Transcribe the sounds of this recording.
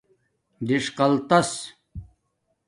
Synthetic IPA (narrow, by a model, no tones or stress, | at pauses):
diʂqɐlt̪ɐs